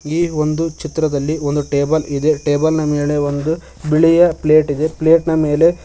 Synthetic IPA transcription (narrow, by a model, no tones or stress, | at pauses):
iːo̞nd̪ut͡ʃit̪ɾɐd̪ɐlːiond̪uʈeːbɐlid̪e̞ʈeːbɐlnɐmeːle̞ond̪u | biɭijɐpleːʈid̪e̞pleːʈnɐme̞ːle̞